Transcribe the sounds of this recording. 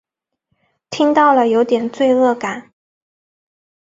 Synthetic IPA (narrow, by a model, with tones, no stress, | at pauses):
t̪ʰi˥ŋt̪ɑ˥˩ʊlə˩jo˧˥ʊt̪jɛ˨˩nt͡swe˥˧ɪɤ˥˩ka˨˩˦n